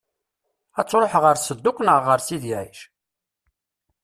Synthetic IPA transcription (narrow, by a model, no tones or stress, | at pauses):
æt͡sːɾˤoħʁəɾsəd̪ːʊkʷnəʁːəɾsiðjæiʃ